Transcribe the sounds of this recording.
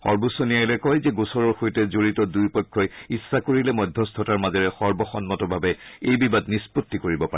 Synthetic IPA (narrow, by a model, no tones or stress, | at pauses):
xɔ̰ɹbusɔnijajlɛkɔjzɛɡosɔɹɔɹxojtɛzoɹitɔdujpɔjkʰːɔjisːakoɹilɛmɔjdʱːɔstʰɔtaɹmazɔɹɛxɔɹbɔxɔnmɔtɔbʱabɛejbibadnisputːikoɹibɔpa